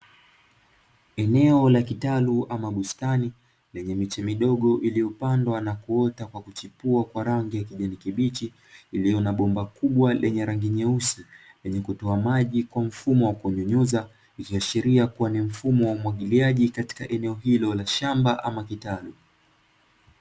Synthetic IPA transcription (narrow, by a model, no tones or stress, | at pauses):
ɛnɛɔlakitaluʔamaɡustani | lɛɲɛmit͡ʃɛmiɗɔɠɔʔilijɔpandwanakuɔtakwakut͡ʃipuakwaɾaŋɡijakiʄanikiɓit͡ʃiː | lijɔnaɓɔmbakuɓwalɛɲɛɾaŋɡiɲɛusi | lɛɲɛkutɔamaʄikwam̩fumɔwakɔɲɔɲuza | ikiaʃiɾiakuwanim̩fumɔwaumwaɠiliaʄikati̥kaʔɛnɛɔɦilɔlaʃambaʔamakitalu